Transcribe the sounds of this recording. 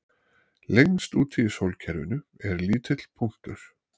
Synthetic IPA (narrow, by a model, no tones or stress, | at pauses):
lenst̪uːt̪ʰiɪsowlcʰɛɾvʏ̰nʏɛɾliːt̪ʰɪt̪l̥pʰuŋ̥t̪ʏɾ̥